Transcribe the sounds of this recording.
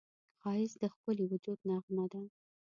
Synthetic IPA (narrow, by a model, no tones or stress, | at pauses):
xɑɪsd̪əxpəliwʊd͡ʒud̪naɣmad̪an